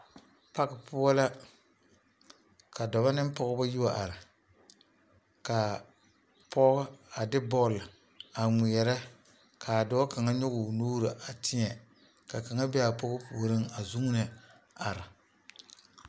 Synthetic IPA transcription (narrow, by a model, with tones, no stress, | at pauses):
pa˦kɪ˨pʊ˦a˦la˦ | ka˨dɔ˨ba˦nɪ˦m˦pɔ˦ɣʊ˦ba˦ji˦wa˨ʔa˨ɾɪ˨ | ka˨ | pʰɔ˦ɣa˦a˨dɪ˦bɔ˦˨l | a˨ŋi˨jɛ˨ɾɛ˦ | kʰa˨dɔ˦a˦ka˨ŋa˦ɲʊ˦ɡʊ˨nuː˦ɾɨ˨ʔa˨tʰɪ˦ɲɛ˨ | ka˨ka˨ŋa˦bɛ˦a˨pɔ˦ɣʊ˦pu˨o˨ɾɪ˦ŋa˨zu˦ŋ˦nɨ˨ | a˨ɾɪ˨